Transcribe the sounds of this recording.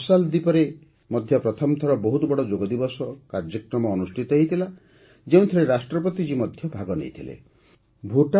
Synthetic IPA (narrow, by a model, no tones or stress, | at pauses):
sald̪ipɔɾe | mɔd̪ʱjɔpɾɔt̪ʰɔmt̪ʰɔɾɔbɔɦut̪bɔɽɔd͡ʒoɡɔd̪ibɔsɔkaɾd͡ʒikɾɔmɔːnusʈʰit̪ɔɦeit̪ʰila | d͡ʒeũt̪ʰɔɾeɾasʈɾɔpɔt̪id͡ʒimɔd̪ʱjɔbʱaɡɔnḛjt̪ʰilḛ | bʱuʈa